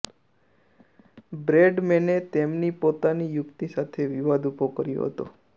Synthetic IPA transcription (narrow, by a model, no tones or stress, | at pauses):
bɾeɖmenet̪emnipot̪anijʊkt̪isat̪ʰeʋiʋad̪upokəɾjo̰ɦə̰t̪o̰